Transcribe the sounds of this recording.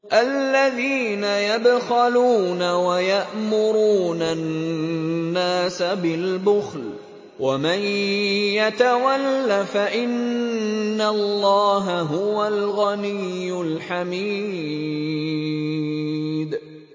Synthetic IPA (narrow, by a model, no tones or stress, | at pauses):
ʔallːaðiːnajad̪xaluːnawajaʔmʊɾuːnanː | aːsabɪlbʊxl | wamanjat̪awalːafaʔɪnː | alːɑːɦaɦʊwalɣanijːʊlħamiː | d̪